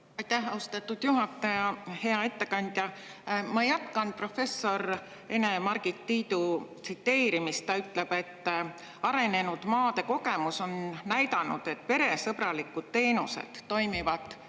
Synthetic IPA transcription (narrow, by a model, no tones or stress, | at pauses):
ɑjt̪æhɑust̪ɑt̪ːˑud̪̥juɦɑt̪ːˑɑjɑhe̞ɑe̞t̪ːe̞kɑnʲd̪̥ʲjɑ | mɑjɑt̪ˑkɑn̚pro̞fe̞sːo̞ɾ | e̞ne̞mɑrɡ̥it̪ːiːd̪ut̪sit̪ːe̞ːɾimist̪t̪ɑyt̪ːˑle̞b̥e̞t̪ː | ɑɾe̞ne̞nud̪̥mɑːd̪̥e̞ko̞ɡe̞muso̞nnæjd̪ɑnṵd̪̥e̞t̪̚ːˑpe̞ɾe̞sɤb̥rɑlikːud̪̥̚t̪ːe̞ːnuse̞̰d̪̥ːo̞jmivɑd̪̥ˑ